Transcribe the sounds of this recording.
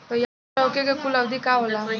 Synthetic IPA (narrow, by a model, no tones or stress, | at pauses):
t̪ɔja | əwkekekuləwd̪ʱikaɦola